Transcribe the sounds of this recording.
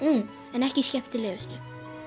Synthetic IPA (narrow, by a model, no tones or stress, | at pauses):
ɛnɛhcɪscɛp̚t̪ɪlɛːvʏst̪ʏ